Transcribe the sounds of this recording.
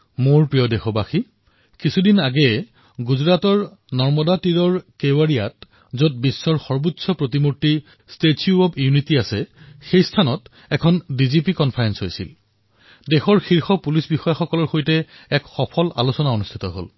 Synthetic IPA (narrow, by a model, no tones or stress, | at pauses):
moɹpɹijɔdexɔbaxi | kisʰudinaɡɛ | ɡuzɹatɔɹ | nɔɹmɔdatiɹɔɹkewaɹijat | zot̚bisːɔɹxɔɹbutsʰɔpɹotimutːi | stetʰiuɔbjunitiasɛxejstʰanɔt | ɛkʰɔndizipikɔnpʰaɹɛnsɦojsḭl | dɛxɔɹxiɹxɔpulisbixɔjaxɔkɔlɔɹxojtɛ | ɛkxɔpʰɔla̰lusɔnaonustʰi̥tɔɦo̰l